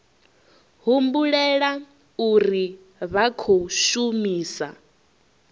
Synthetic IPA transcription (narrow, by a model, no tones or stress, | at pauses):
ɦumbuɺɛɺa | uɾi | βakʰoʃumiːsa̰